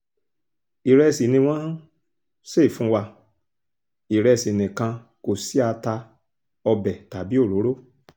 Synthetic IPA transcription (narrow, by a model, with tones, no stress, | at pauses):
i˨ɾɛ˧si˨nĩ˧w̃ɔ̃˦ | se˦˨fũ˨˦wa˧ | i˨ɾɛ˧si˨nĩ˨kã˧ | ko˨si˦a˧ta˧ | ɔ˧bɛ˨ta˨˦bi˦o˦˨ɾo˨˦ɾo˦